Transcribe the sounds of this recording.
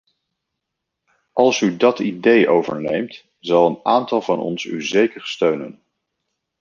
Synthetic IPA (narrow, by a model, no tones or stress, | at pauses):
ʔɑlˠsydɑtidejʔowvə̰ɹnejmt | z̥ɑlˠənaːntɑlˠvɑnɔ̰nsy̰zejkəɹstøɥnə̰n